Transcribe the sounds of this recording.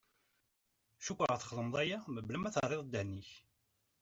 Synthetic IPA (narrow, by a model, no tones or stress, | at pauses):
ʃukʷːʁəθχələmðˤæjæməblæmæθərˤːeðˤd̪ːænːiç